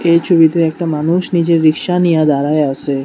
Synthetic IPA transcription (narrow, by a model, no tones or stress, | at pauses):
eʃuʋid̪ʱuek̚ʈamanuʃnid͡ʒeɾɪkʃanijãd̪aɾaeəse